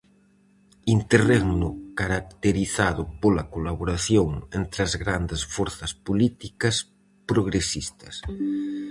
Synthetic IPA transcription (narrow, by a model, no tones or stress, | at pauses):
int̪ereɣnʊkaɾak̚t̪eɾiθaðʊpolɐkolaβoɾaθjoŋent̪ɾɐzɣɾand̪esfoɾθɐspolit̪ikɐs | pɾoɣɾesist̪ɐs